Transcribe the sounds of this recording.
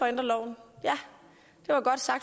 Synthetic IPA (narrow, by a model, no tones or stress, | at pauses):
ɒ̽end̥ʁɐlɒʊ̰n̩jæ | d̥e̝ʋɑ̈ɡ̥ɒ̽d̥sɑ̈ɡ̥̚